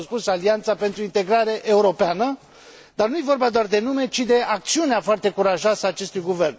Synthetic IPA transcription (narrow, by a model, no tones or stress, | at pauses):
spusaliant̪sape̞nt̪ɾuint̪e̞ɡɾaɾe̞ʔeuɾo̞peanə | d̪arnujevo̞rbad̪oard̪e̞nume̞t͡ʃid̪e̞ʔak̚t̪siuneafoart̪e̞kuɾaʒasəaːt͡ʃe̞st̪ujɡuve̞rn